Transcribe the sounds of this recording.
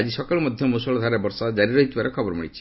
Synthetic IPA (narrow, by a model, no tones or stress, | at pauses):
ad͡ʒisɔkɔɭɔmɔd̪ʱjɔmusɔlɔd̪ʱaɾebɔɾsad͡ʒaɾiɾɔɦit̪ʰibaɾekʰɔbɔɾɔmiɽit͡ʃʰi̥